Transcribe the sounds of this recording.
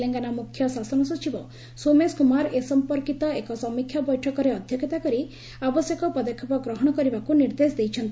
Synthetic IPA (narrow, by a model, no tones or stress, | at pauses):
leŋɡanamukʰjɔsasɔnɔsut͡ʃibɔ | someskumaɾesɔmpɔɾkit̪ɔekɔsɔmikʰːjabɔjʈʰɔkɔɾeɔd̪ʱjɔkjɔt̪akɔɾi | abɔsjekɔpɾɔd̪ɔkʰːɔpɔɡɾɔɦɔɽ̃ɔkɔɾibakuniɾd̪esd̪ejt͡ʃʰɔnt̪i